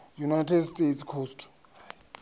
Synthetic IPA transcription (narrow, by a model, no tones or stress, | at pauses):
junajtʰɛdstʼetskʰostʰ